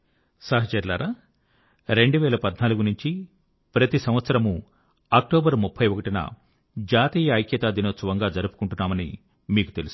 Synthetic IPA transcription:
sɐɦɐt͡ʃɐɾla̰ːɾaː | ɾe̞ɳɖuʋɛːlɐpɐd̪naːluɡunuɲt͡ʃi | pɾɐt̪isɐmʋɐt̪sɐɾɐmu | aːk̚ʈoːbɐɾmupʰːɐjʋokɐʈinɐ̰ | d͡ʒaːt̪iːjɐːjkjɐt̪aːd̪inoːt̪sɐʋɐŋɡaːd͡ʒɐɾupu̥kuɳʈunːaːmɐnḭ | miːku̥t̪e̞lus

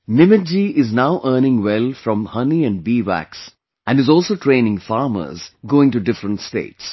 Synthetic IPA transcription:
nɪmɪt̚d͡ʒiʔɪznaʊʔəːnɪ̃ŋwɛlfɾɔ̃mhʌniæ̃nɖbiːʋæ̰ks | ʔæ̃nɖɨzɔːlsoːʈʰɾẽːnɪ̃ŋfaːɾmə̰ɾzɡoːɪ̃ŋʈuɖɪfɾə̃nʈsʈḛːʈs

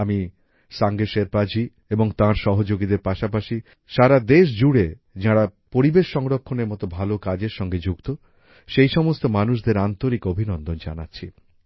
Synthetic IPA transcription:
ami | saŋɡeʃeɾpad͡ʑi | eboŋt̪ãɾʃɔɦod͡ʑoɡid̪eɾpaʃapaʃi | ʃaɾad̪eʃ̬d͡ʑuɽe | d͡ʑãɽapoɾibeʃːɔŋɾokʰːoneɾmɔt̪obʱalokad͡ʑeɾʃɔŋɡed͡ʑukt̪o | ʃejʃɔmost̪omanuʃd̪eɾant̪oɾikobʱinɔnd̪ond͡ʑa̰natːɕʰi

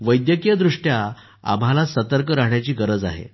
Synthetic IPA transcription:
ʋəjd̪jəkijəd̪ɾuʂʈja | a̰m̤alasət̪əɾkəɾaɦɳjat͡ɕiːɡəɾəd͡za̰ɦḛ

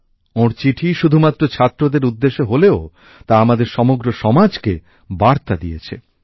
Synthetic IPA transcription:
oɾt͡ɕiʈʰiʃud̪ʱumat̪ːɾot͡ɕʰat̪ːɾod̪eɾud̪ːeʃeɦoleo | t̪aamad̪eɾʃɔmoɡɾoʃɔmad͡ʑke | baɾt̪ad̪ijet͡ɕʰḛ

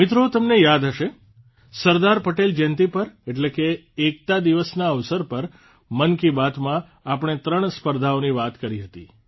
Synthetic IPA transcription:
mɪt̪ɾot̪əmnejad̪ɦəʃe | səɾd̪aɾpəʈeld͡ʒɛnt̪ipəɾeʈlekeː | k̚t̪ad̪iʋəsnaəʋsəɾpəɾ | mənkibat̪mã | apəɳ̃et̪ɾəɳspəɾd̪ʱaoniʋat̪kəɾiɦət̪ḭ

